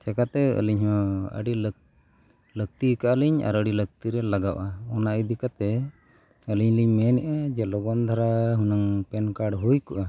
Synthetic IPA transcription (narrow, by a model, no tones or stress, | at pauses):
t͡ʃʰɛkat̪ɛə̰liɲɦɔ̃ə̰ɖil | lək̚t̪ikaʔaliɲa̰ɾəɖilək̚t̪iɾɛlaɡawʔaɔnaʔid̪ikat̪ɛ | əliɲliɲmɛnɛʔad͡ʒɛlɔɡɔnd̪ʱaɾaɦunaŋpɛnkaɖɦujkuʔa